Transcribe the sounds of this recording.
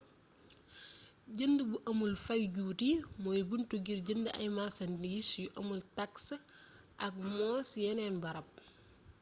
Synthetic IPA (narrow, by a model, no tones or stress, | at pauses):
ɟəndəbuʔɐmulfɐjɟuːtimɔːjbuntuɡirɟəndəɐ̰jmasɐndisjuʔɐmultaks | ʔɐk̚mɔːsjɛnɛnbɐɾɐp̚